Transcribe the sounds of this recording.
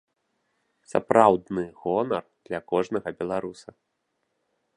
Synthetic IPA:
sa̰pɾawd̪nɨɣɔnɐrd̪̥lʲɐkɔʐnɐɣɐbʲɛlˠaɾusɐ

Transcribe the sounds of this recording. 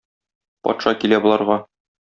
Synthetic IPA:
pɒ̰t̪ʃɑkilæbolˠɑɾʁɑ

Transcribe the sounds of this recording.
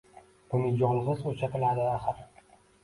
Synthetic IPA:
b̥ʊnɪd͡ʒɒlɪʁɪzot͡ʃʰat̪ʰɪlad̪ɪaχɨɾ

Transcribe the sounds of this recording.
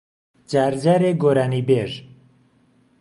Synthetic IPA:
d͡ʒaːɾd͡ʒaːɾeɡoːɾaːniːbeʒ

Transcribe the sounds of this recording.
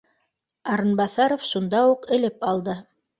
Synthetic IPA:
ɑɾɤnbɑθɑɾofʃund̪ɑuqɘ̆lɘpɑlˠd̪ɤ

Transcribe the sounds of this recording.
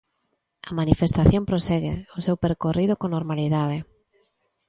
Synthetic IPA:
ɐmanifest̪aθjõmpɾosɛɣeosewpeɾkorið̞okonoɾmaliðað̞e

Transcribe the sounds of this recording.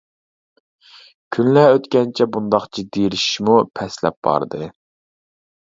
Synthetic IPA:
kʲʰynlɛøt̪kʲɛnt͡ʃʰɛbund̪ɑχt͡ʃʰid̪eɾiʃʃmupʰɛslɛ̰p̚bɑ̰ɾd̪ɨ

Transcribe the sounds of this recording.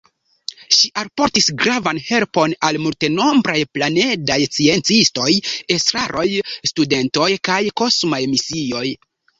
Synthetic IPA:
ʃiʔalpo̞ɾtisɡɾavanhe̞lpo̞nalmulte̞no̞mbɾajplane̞dajt͡sie̞nt͡sisto̞je̞stɾaɾʔo̞jstude̞nto̞jkajko̞smajmisio̞j

